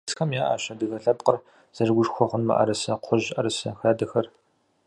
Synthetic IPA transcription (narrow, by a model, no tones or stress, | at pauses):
sxɐmjaːʔa̰ːɕɐdɨɣɐɬɐpqər | z̥ɐʐɡʷʊʂxʷɔχʷʊnmɐ̰ʔɐ̰ɾɐsɐqʷʰʊʑʔɐɾɨsɐxaːdɐxɐr